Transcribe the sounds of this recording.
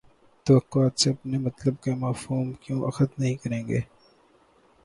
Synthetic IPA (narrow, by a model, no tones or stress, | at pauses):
t̪ɐʋɐkːʊaːt̪seɐpnemɐt̪ləb̚kemaːfuːmkjõːʔɐxət̪nɐɦĩkɐɾẽːɡeː